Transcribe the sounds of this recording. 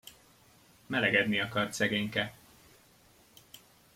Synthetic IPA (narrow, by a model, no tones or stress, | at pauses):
mɛlɛɡɛd̪niɒkɒrt̪sɛɡeːɲkɛ